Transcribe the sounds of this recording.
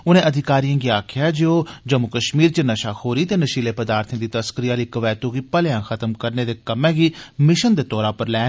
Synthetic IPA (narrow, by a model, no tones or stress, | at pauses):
ʊnẽːʔəd̪ʱɪkaːɾiːjãːɡiːaːkʰɪjaːd͡ʒoːd͡ʒəmʊkəʃmiːɾt͡ʃənəʃaːhoːɾiːt̪eːnəʃiːleːpəd̪aːɾt̪ʰẽːd̪iːt̪əskɾɪjaːliːkəʋɛːt̪uɡiːpəlejãːkʰət̪əmkəɾneːd̪eːkəmɛ̃ːɡiːmɪʃənd̪eːt̪ɔːɾãːpəɾlɛː